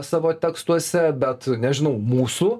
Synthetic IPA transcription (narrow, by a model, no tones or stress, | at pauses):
sɑːʋoːt̪ʲɛːkst̪uɔsʲɛbʲɛt̪nʲɛʒʲɪnɐʊmuːsu